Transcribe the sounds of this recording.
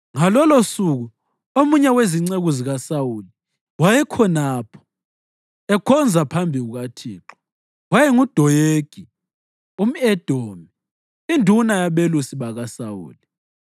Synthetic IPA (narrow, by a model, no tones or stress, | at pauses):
ŋalɔlosuɣu | omuɲɛweziŋ͡ǀeɣuziɣasawuli | wajɛkʰɔnaːpʰɔ̥ | ɛkʰɔnd͡zʱapʰambʱiɣuɣatʰiːǁɔ̥ | wajɛŋud̥ʱɔjeɡ̥ʱi | um̩ɛd̥ʱoːmi | indʱunajaβelusiβaɣasawṵːli